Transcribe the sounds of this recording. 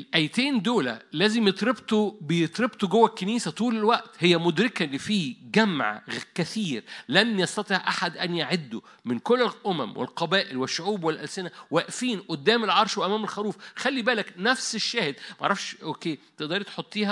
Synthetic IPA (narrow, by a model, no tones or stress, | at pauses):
lʔæjt̪eːnd̪oːlæ̰lːæːzemjet̪ˤɾebt̪obejet̪ˤɾebt̪oɡowːækːeniːsæt̪ˤuːlelwæʔt̪hejːæmod̪ɾɪkælːifiːɡæmʕkæθiːɾlænjɑsˤt̪ˤɑt̪ˤiʕʔaħad̪ʔænjaʕed̪ːo̰ | mɪnkolːelʔomæ̰mwʔḛlqɑbæːʔɪlweʃːoʕuːbwelʔælsɪnæwæʔfiːnʔod̪ːæːmelʕɑɾˤʃwʔæmæːmelxæɾuːfxælːibæːlæknæfseʃːæːhed̪̚mæʕɑɾˤɑfʃʔoːkeːt̪eʔd̪ɑɾit̪ħot̪ˤːiːhæ